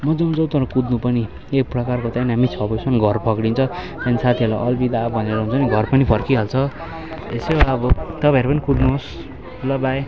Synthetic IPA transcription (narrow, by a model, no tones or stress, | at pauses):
mʌd͡zʌũnd͡zʌwt̪ʌɾʌkud̪nupʌni | ek̚prʌkarkot̪ajnamit͡sʰʌposʰʌnɡʱʌrpʰʌkɽint͡sʰʌt̪janisat̪ʰiʌla̰ʔʌlbid̪abʱʌneɾʌɦunt͡sʰʌniɡʱʌrpʌnipʰʌrkiɦʌlt͡sʰʌ | ḛsebaʌbʌt̪ʌpãeɾupʌnikud̪nuɦos | lʌbaj